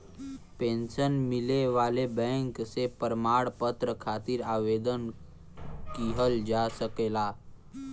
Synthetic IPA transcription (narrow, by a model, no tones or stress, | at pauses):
pẽnsənmileʋaːlebɛ̃ŋksepəɾmaɽpət̪ɾəkʰat̪iːɾaːʋed̪ən | kiɦəld͡ʒasəkela